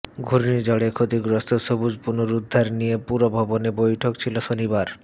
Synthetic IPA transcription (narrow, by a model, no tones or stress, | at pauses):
ɡʱuɾnid͡ʑɔɽekʰot̪iɡɾost̪ʰoʃobud͡ʑpunoɾud̪ʱːaɾnijepuɾobʱɔbonebojʈʰokt͡ɕʰiloʃonibaɾ